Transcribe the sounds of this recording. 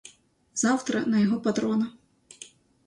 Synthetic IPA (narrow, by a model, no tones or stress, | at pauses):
z̥awt̪ɾɐnɐjɐɣɔpad̪ɾɔnɐ